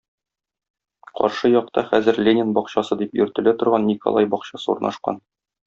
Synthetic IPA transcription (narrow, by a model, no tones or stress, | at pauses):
qɒ̰ɾʃɤjɒq̚t̪ɑχæzɘɾlʲenʲɪnbɒqɕɑsɤd̪ipjɵ̆ɾt̪ɘ̆læt̪ŏɾʁɑnːiko̰lˠɑjbɒqɕɑsɤṵɾnʔɑ̰ʃqɑ̰n